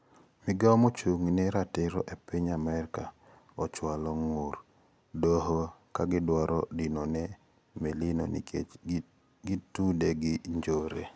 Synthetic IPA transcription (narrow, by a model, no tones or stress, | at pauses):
mɪɡamot͡ʃuŋneɾatɪɾɔ̰ʔepiɲamɛɾka | ɔt͡ʃwalɔŋuɾ | doɦokaɡɪdwaɾɔdinonɛ | melino̰n | ɡitudeɡɪɲd͡ʒoɾe